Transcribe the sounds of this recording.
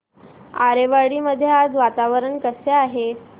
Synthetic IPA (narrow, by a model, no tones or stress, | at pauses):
a̰ɾeʋaɽiːməd̪ʱːjead͡zʋat̪aʋəɾəɳkəseaɦe